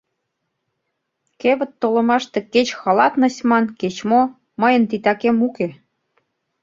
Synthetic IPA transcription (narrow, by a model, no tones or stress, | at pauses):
keβə̆t̪ːolə̆mɑʃt̪ĕket͡ɕxɑlɑt̪nə̆sʲmɑnket͡ɕmo | məjə̆nt̪̬it̪ɑkemuke